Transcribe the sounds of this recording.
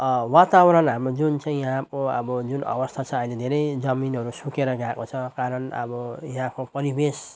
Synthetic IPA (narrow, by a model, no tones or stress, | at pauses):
wat̪awɾʌnɦamrod͡zunt͡saĩjʌɦãkoʌ̰bʌd͡zunʌ̰bʌst̪ʰat͡sʰʌːiled̪ʱeɾʌjd͡zʌminɦʌɾusukeɾʌɡakot͡sʰʌkaɾʌnʌ̰bʌjʌɦãkopʌɾibes